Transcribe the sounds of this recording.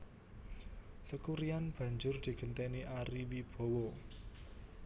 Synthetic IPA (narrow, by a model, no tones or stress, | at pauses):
t̪əkuɾianb̥ä̤ɲd͡ʒʊrd̪̥i̤ɡ̥ə̤nt̪eniʔaɾiwib̥o̤wɔ